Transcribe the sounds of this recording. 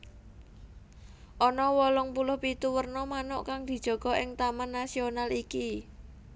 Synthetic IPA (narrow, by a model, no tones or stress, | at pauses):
ʔɔnɔwɔlɔŋpulʊhpit̪uwərnɔmanʊʔkaŋd̪̥i̤d̥ʒ̥ɔ̤ɡ̥ɔ̤ʔɪŋt̪amanːasionaliki